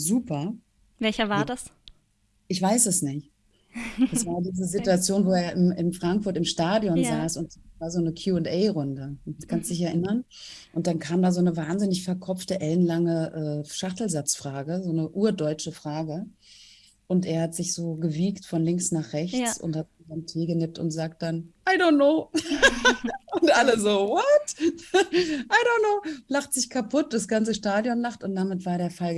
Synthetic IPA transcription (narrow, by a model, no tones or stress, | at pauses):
zuːpʰɐ | vɛlçɐvaːɐdas | ʔɪçv̥aɪsɛsnɪçt | d̥asv̥aːɐdiːzəzituat͡sjoːnvoːeːɐɪmɪmfʁ̥aŋkfʊɐtɪmʃtaːdjɔnzaːsʊntavaːɐzoːnəkʰjuːʊntʔɛɪʁʊndəkʰanstd̥ɪç̬ɛɐʔɪnɐn | ʔʊnt̚d̥ankʰaːmdaːzoːnəvaːnzɪnɪçfɛɐkʰɔp͡ftəʔɛlənlaŋəʔɛːʃaχtl̩zat͡sfʁ̥aːɡəzoːnəʔuːɐdɔʏt͡ʃəfʁ̥aːɡə | ʔʊnteːɐhatz̥ɪçz̥oːɡəviːktfɔnlɪŋsnaːχʁ̥ɛçt͡sʊ̰nthat̚zidantʰeːɡənɪp̚tʊ̰ntz̥aːk̚t̚d̥anʔaɪdõntnoː | ʊntʔaləzoːvɔt | ʔaɪɾoʊnnoːlaχtz̥ɪçkʰapʰʊt̚d̥asɡ̥ant͡səʃtaːdjɔnlaχtʊnt̚d̥amɪtv̥aːɐɾeːɐfal